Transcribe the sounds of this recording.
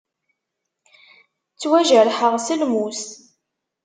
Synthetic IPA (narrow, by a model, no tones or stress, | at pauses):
t͡sːwæʒəɾħəʁsəlmust̪